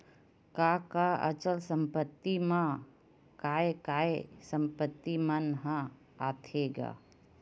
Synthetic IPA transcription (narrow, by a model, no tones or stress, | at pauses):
kakaɐ̰t͡ʃəlsə̃mpət̪ːimã | kaːekaːesə̃mpət̪ːimənɦã | aːt̪ʰeːɡa̰ː